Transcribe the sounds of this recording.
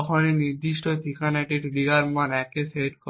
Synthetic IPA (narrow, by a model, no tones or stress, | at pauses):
ɔkʰoniniɾd̪iʃʈot̪ʰikanɛʈiʈliɡaɾmanɛkeseʈkɔ